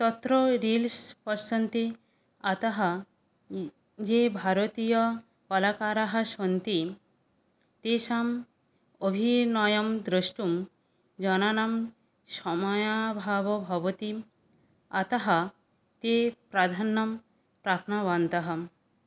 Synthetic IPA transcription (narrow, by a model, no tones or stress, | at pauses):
t̪ɔt̪ɾoɾilspɔsɐnt̪i | at̪ɐɦɐ | d͡ʒebʱaɾot̪ijɔ | pɔlakaɾaɦɐʃont̪i | t̪eʃam | obʱinɔjɔmd̪ɾəʃʈum | d͡ʒɔnanam | ʃɔmɔjabʱabɔbʱɔbot̪i | at̪ɐɦɐ | t̪epɾad̪ʱanːɐm | pɾapʰnɔʋant̪ɐɦɐ